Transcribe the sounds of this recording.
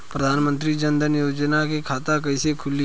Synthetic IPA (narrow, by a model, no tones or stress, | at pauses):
pɾəd̪ʱaːnmə̃nt̪ɾid͡ʒə̃nd̪ənjoːd͡ʒnakekʰaːt̪akɐisekʰʊli